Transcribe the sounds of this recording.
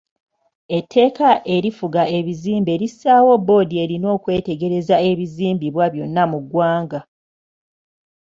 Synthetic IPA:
e̞tʰːe̞ːkaʔe̞ɾifuɡae̞βiziːmbe̞ɾisaːwo̞bːo̞ːdie̞ɾino̞ːkwe̞ːte̞ɡe̞ɾe̞zae̞βiziːmbiβwaβjo̞nːamuɡwaːŋɡa

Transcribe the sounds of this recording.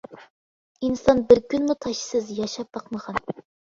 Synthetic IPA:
insɑnbɪɾkʲynmut̪ʰɑʃsɨzjɑʃɑp̚b̥ɑqməʁɑn

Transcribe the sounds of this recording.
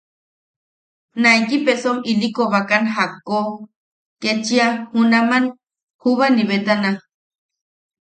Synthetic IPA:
naikipesomilikoβakanɦako | ket͡ʃiahunaman | huβaniβet̪ana

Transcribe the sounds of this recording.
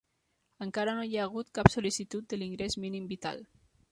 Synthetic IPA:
əŋkaɾanojaːɣ̞ut̪kapsulisit̪ut̪̚d̪əliŋɡɾesminimbit̪a̰l

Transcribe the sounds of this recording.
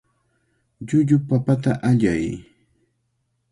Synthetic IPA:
ʎʊʎʊpapat̪aʔaʎaj

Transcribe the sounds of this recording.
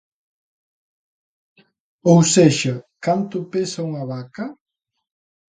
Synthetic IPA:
owseʃɐkant̪ʊpesɐuŋɐβakɐ

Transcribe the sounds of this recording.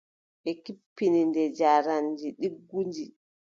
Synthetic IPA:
ɓɛkipːinindɛd͡ʒaːɾand͡ʒiɗiɡːuɲd͡ʒi

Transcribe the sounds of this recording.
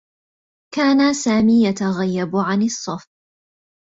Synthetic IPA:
kaːnasaːmiːjat̪aɣajːabʕanɪsˤːɑf

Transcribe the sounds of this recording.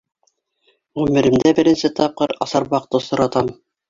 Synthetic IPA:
ʁʉmɘ̆ɾɘ̆md̪æbɘ̆ɾɘ̆nsɘt̪ɑp̚qɤɾɑ̰sɑɾbɑq̚t̪ɤsŏɾɑt̪ɑm

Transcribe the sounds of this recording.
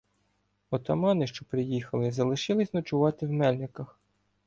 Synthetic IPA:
ɔt̪ɐmɑnɪʃt͡ʃɔpɾɪjixɐlˠɪzɐlˠɪʃɪlˠɪsʲnɐt͡ʃʊʋɑt̪ɪwmɛlʲnʲɪkɐx

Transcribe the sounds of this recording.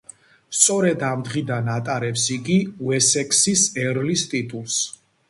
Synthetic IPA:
st̪sʼɔɾɛd̪amd̪ʁid̪anat̪ʼaɾɛpsiɡiwɛsɛkʰʼsisɛɾlist̪ʼit̪ʼulˠs

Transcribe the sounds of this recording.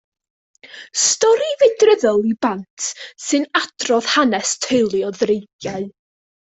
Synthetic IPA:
stɔɾivɨdrəðɔlˠibantʰsɨnad̥rɔð̥hanɛstʰejlˠiɔðrejɡjaɨ

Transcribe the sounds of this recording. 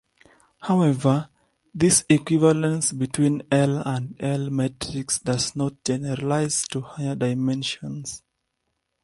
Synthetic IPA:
hawɛvə˞ | ðisikwivalə̃nsbitʰwĩnɛlãndɛlmɛtʰɹiksdaznɔt̚d͡ʒɛnɛɹalaɪztuhajədaɪmɛ̃nʃɔ̃ns

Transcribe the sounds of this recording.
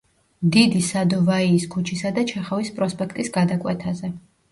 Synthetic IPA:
d̪id̪isad̪ɔvaiːskʰut͡ʃʰisad̪at͡ʃʰɛχavispʼɾɔspʼɛkʰt̪ʼisɡad̪akʼwɛt̪ʰazɛ

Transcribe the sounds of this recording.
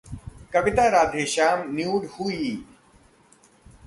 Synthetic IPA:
kɐʋɪt̪aɾaːd̪ʱeːʃaːmnjuːɖhuiː

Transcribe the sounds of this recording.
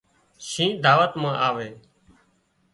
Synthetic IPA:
ʃĩːd̪aːʋət̪mãːʔaːʋeː

